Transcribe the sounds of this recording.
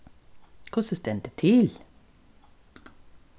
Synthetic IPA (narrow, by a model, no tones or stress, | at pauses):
kʰʊsɪst̪ɛnt̪ət̪ʰɪl